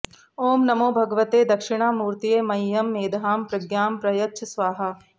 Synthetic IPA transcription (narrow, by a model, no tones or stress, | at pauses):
oːmnɐmoːbʱɐɡɐʋɐt̪eːd̪ɐkʂɪɽ̃aːmuːɾt̪ijeːmɐjːɐmːeːd̪ʱaːmpɾɐɡjaːmpɾɐjɐt̪ːʃʰɐsʋaːɦɐ